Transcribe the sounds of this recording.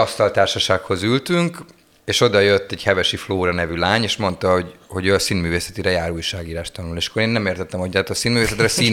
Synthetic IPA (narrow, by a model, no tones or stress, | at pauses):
ɒst̪ɒlt̪aːrʃɒʃaːkho̞zylt̪yŋk | eːʃo̞d̪ɒjøt̪ːɛɟhɛvɛʃifloːɾɒnɛvylaːɲeːʃmo̞nt̪ɒho̞ɟho̞ɟøɒsiːnmyːveːsɛt̪iɾɛjaːɾuːjʃaːɡiːɾaːʃt̪ɒnuleʃɒ̥koɾeːnːɛmeːrt̪ɛt̪ːɛmhoct̪aːt̪ɒsiːnmyːveːsɛt̪rɛsi